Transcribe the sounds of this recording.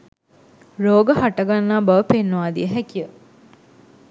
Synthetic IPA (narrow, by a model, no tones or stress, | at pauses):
ɾoːɡəhaʈəɡanːaːbɐʋəpenːuʋaːd̪ḭəɦækijə